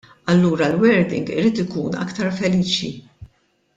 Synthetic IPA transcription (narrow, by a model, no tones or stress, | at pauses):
ɐlːuːɾɐlwɛɾd̪ɪ̰ŋɡɪ̰ɾiːt̪ɪkuːnɐ̰kt̪ɐɾfɛliːt͡ʃi